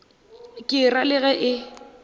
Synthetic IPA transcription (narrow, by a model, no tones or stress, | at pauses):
kʼɪralɪɣɛʔɪ